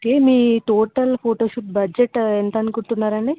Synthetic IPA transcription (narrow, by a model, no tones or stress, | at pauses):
okeːmiːʈoːʈɐlpʰoːʈoːʂuʈ̚bɐd͡ʒeʈent̪ɐnukuɳʈunːaːɾɐɳɖi